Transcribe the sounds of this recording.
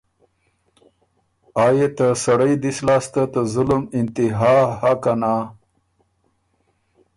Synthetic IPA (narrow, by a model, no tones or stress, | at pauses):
aːjet̪asɐɽəjd̪islɑːst̪at̪azʊlumɪnt̪iɦaːhakana